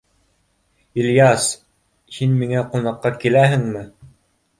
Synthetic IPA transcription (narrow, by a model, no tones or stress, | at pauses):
iljɑs | hinmiŋæqunɑqːɑkilæɦɘ̆ŋmɘ